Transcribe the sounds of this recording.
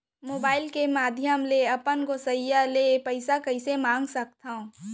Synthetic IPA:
moːbaːɪlkemaːd̪ʱjəmleɐpənkosɐjjalepɐɪsakɐɪsemãːŋɡsɐk̚t̪aõː

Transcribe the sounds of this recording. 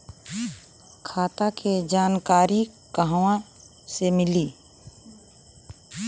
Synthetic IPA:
kʰaːt̪akʰed͡ʒaːnkaːɾi | kəɦwã | semɪliː

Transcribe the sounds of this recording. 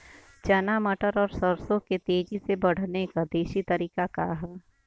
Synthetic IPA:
t͡ʃɐnamɐʈəɾɔːɾsəɾsõket̪eːd͡ʒisebɐɽ̤nekad̪eːʃit̪ɐɾiːkakaɦɛ

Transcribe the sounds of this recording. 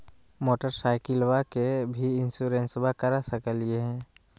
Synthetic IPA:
moːʈəɾsaːɪkɪlwakebʱiɪ̃nsuɾẽnsbʱakəɾasəkəlieɦɛ̃ː

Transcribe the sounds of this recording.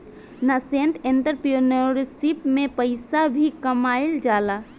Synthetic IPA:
nasẽnt̪ʰẽnt̪əɾpionoɾsipmẽpəɪsabʱikəmaːɪld͡ʒaːlaː

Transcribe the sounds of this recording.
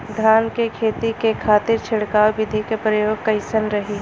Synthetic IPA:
d̪ʱaːnkekʰeːt̪ikekʰaːt̪ɪɾt͡ʃʰɪɽkaːwbɪd̪ʱikepɾɐjoːɡ̚kɐɪsənɾɐɦiː

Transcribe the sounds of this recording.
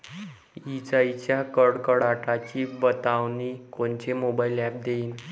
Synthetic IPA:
it͡sait͡ɕjakəɾɽkəɽaʈat͡ɕibət̪aʋnikont͡ɕemobailɛp̚d̪eiːn

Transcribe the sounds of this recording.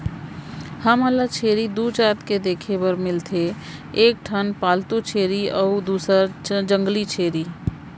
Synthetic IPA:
həməlat͡ʃʰeːɾid̪uːt͡ʃaːt̪ked̪eːkʰebəɾmɪlt̪ʰe | eːk̚ʈʰənpaːlt̪ut͡ʃʰeːɾiɔːd̪uːsəɾd͡ʒə̃ŋɡlit͡ʃʰeːɾiː

